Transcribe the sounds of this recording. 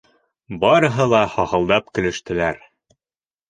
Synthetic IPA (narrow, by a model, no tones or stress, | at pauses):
bɑɾɤ̆ɦɤlˠɑhɒhɤ̆lˠd̪ɑpkɘ̆lɘ̆ʃt̪ɘ̆læɾ